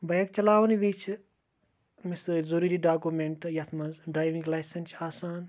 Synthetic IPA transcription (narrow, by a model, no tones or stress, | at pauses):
bɐjɐk̚t͡ʃɐlaːʋniʋbiːt͡ʃʰ | mɪszuɾiɾiɖaːkumeɳʈjɐt̪ʰmɐnzɖɾaːjʋĩŋɡlaːjsɐnt͡ʃaːsaːn